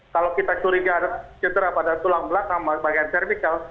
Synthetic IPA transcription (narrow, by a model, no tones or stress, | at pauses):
kalokit̪at͡ʃuɾiɡaɾat̚t͡ʃəd̪əɾapadat̪ulaŋbəlakaŋbabaɡajant̪ɛrmikal